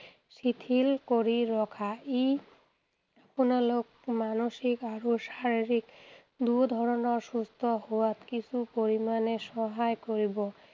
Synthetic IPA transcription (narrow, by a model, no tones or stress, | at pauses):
ʃit̪ʰilkoɾiɾɔkʰai | aponalokmanoʃikaɾoʃaɾiɾik | d̪ud̪ʱɔɾɔnɔɾʃust̪ʰɔhoat̪kit͡ɕʰupoɾimaneʃɔɦaekoɾibɔ